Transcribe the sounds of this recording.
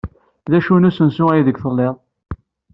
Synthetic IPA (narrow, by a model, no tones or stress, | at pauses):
ðæʃunusənsuæjiðəɡθəlːeðˤ